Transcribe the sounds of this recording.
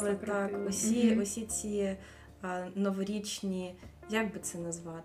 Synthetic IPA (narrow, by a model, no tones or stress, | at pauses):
lɪt̪ɑkɔsʲiɔsʲit͡sʲi | nɔʋɔɾʲit͡ʃnʲi | jaɡbɪt̪sɛnɐzʋɑt̪